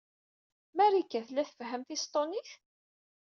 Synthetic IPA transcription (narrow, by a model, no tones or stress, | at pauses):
mæɾikːæθlːæθəfɦəmθist̪ˤoniθ